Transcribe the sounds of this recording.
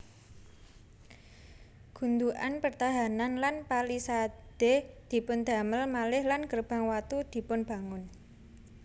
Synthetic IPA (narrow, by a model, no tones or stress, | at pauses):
ɡ̥ṳnd̪uʔa̰npərt̪aɦananlanpalisad̪̥ed̪̥i̤pʊnd̪̥a̤məlmalɪhlanɡərb̥a̤ŋwat̪ud̪̥i̤pʊnb̥ä̤ŋʊn